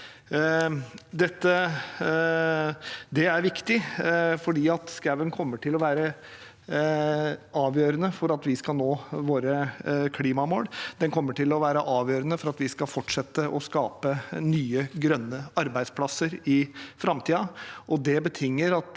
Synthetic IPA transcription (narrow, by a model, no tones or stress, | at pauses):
d̪ɛt̪ːə | d̪ɛæɾʋɪkt̪ɪfɔɖiːɑt̪skæʋənkʰɔmːəʈʰɪlɔʋæːɾə | ɑːʋjøːɾənəfɔɾɑt̪ʋɪskɑlnoːʋoːɾəkʰliːmɑmoːɽd̪̥ɛnkʰɔmːəʈɪlɔʋæːɾəʔɑːʋjøːɾənəfɔɾɑt̪ʋɪskɑlfɔʈʂɛt̪ːəʔɔskɑːpənyːəɡɾœnːəɑɾbæɪd̪spʰlɑsəɾɪfɾɑmt̪ʰiːɑʔɔd̪ɛbət̪ʰɪŋːəɾɑt̪